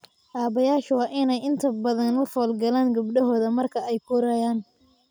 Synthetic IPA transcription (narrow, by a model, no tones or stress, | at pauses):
ʔaːβɐjaːʃwɑːʔɪnɛjɪnt̪ʰɐbɐðɐnʊfɔːlɡɐlaːŋɡɐbɖɐɦɔːðɐmɐrkʰɐɛjkʰʊːɾɐjaːn